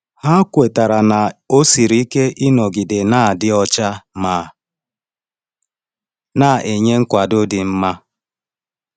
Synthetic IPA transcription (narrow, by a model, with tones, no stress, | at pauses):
ha˦kʷe˨ta˨ɾa˨na˨o˦si˨ɾi˦ke˦ʔɪ˦nɔ˨ɡɪ˨de˨na˦˨dɪ˦ɔ˦t͡ʃa˦maː˨ | na˦˨ʔe˨ɲe˦ŋ̩˦kʷa˨do˦dɪ˨m̩˦ma˦